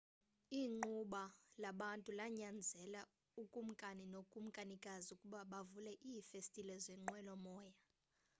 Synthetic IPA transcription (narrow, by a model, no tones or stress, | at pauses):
iːŋ͡ǃuɓalaɓantʼulaɲand͡zʱɛla | ukʼum̩kʼaninokʼum̩kʼanikʼazukʼuɓaɓavulɛʔifestʼilɛzʷɛŋ͡ǃwɛlɔmɔːja